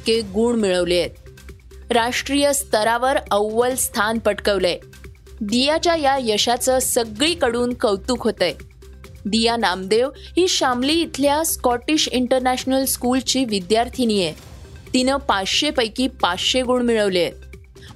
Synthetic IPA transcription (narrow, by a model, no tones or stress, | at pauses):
keɡuːɳmiɭəʋleet̪ | ɾaʂʈɾijəst̪əɾaʋəɾəwːəlst̪ʰanpəʈkəʋle | d̪ijat͡ɕjajajəɕat͡səsəɡɭiːkəɽuːnkəwt̪uːkɦot̪aj | d̪ijanamd̪eʋɦiːɕamliːt̪ʰljaskɔʈiɕiɳʈəɾnæɕnəlskult͡ɕiːʋid̪jaɾt̪ʰinije | t̪inəpat͡sɕepəjkiːpat͡sɕeɡuːɳmiɭəʋlejet̪̚